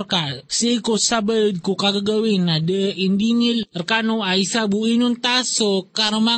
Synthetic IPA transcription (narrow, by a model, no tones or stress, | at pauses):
rkasikosabəd̪̚kukaɡəɡəwinadəʔindinilərkanuaisabuinunt̪asokaɾəma